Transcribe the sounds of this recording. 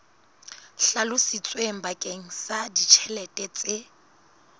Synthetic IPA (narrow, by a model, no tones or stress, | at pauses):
ɬalʊsit͡sʼweŋ̩bakʼeŋ̩sadit͡ʃʰɛlɛtʼɛt͡sʼɪ